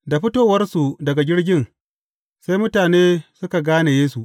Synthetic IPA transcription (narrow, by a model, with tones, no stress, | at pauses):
da˨ɸɪ˦toː˦wɐ˦rsu˨dɐ˨ɡa˨ɡʲɪ˦ɽɡʲɪ˦n | sa˦jmʊ˦taː˨neː˦sʊ˦ka˨ɡaː˦ne˨jeː˦su˨ʔ